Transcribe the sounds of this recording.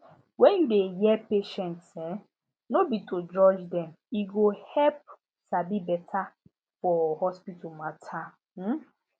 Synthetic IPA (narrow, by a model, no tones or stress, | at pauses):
wɛ̃njudejɛpeʃɛntsɛ | nobitʰod͡ʒɔd͡ʒdɛm | iɡohɛp̚ | sabibɛtʰa | fɔhɔspitumatʰa | m̩